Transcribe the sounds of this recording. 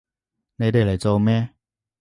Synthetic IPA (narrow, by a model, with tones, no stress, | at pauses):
ne˧˦t̪e˨˩˨la˨˩t͡so˧wmɛ̃˥˦